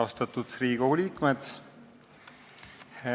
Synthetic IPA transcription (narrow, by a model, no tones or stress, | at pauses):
ost̪ɑt̪ːut̪riːɡ̥uliːkmet̪